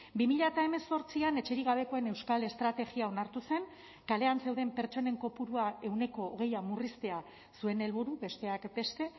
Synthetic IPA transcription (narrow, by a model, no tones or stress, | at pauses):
bimiʎat̪ae̞me̞so̞ɾt͡siane̞t͡ʃe̞ɾiɣ̞aβ̞e̞ko̞ene̞wskale̞st̪ɾat̪e̞ɣiao̞naɾt̪use̞ŋ | kale̞anse̞wðe̞mpe̞ɾt͡ʃo̞ne̞ŋko̞puɾuae̞wne̞ko̞ːɣe̞jamurist̪e̞a | sue̞ne̞lβuɾuβe̞st̪e̞akbe̞st̪e̞